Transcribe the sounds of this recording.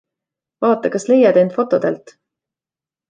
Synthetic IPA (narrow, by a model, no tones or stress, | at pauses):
vɑːt̪ːˑɑkɑsle̞jɑd̪ent̪fo̞t̪ːˑo̞d̪ḛlt̪ˑ